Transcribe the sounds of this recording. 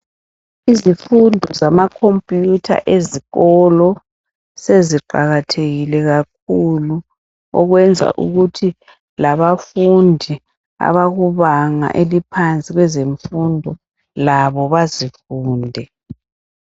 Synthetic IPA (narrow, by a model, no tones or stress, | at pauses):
izifundʱɔzamakʰompʼjutʰa̰ʔeziɣɔlɔ | seziǃaɣatʰeɣilɛɣak̚ʰulu | ɔ̰ɣwɛnd͡zʱa̰ʔṵɣutʰi | laβafundʱi | a̰βaɣuβaŋa̰ʔelipʰant͡sʼiɣwɛzeɱfundʱɔ | laβɔβazifuːndʱɛ